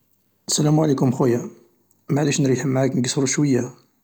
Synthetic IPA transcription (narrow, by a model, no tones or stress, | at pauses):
ʔəsælæmuʕalikʊmxuja | maʕliʃnɾiħmːaʕaknəɡəsɾuʃwəjːa